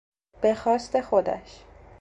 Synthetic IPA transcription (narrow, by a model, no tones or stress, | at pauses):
b̥e̞xɒːst̪e̞xod̪æ̰ʃ